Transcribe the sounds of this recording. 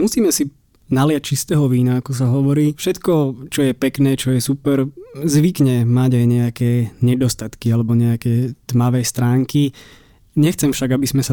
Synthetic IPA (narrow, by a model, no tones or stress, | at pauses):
musiːmɛsi | nalɪac̚t͡ʃist̪ɛːɦɔʋiːnaakɔs̬aɦɔʋɔɾiːfʃɛt̪kɔt͡ʃɔjɛpɛknɛːt͡ʃɔjɛsupɛɾzʋikɲɛmaɟajɲɛakɛːɲɛd̪ɔst̪at̪kialɛbɔɲɛakɛːt̪maʋɛːst̪ɾaːŋki | ɲɛxt͡sɛmfʃaɡabizmɛsa